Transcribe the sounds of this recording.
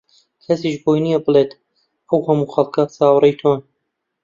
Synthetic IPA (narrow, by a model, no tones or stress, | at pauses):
kʰɐsiːʃboːjnijɛbɨleːt̪ | ʔɐwhɐmuːxɐlˠkasɑːwɾɛjt̪ʰon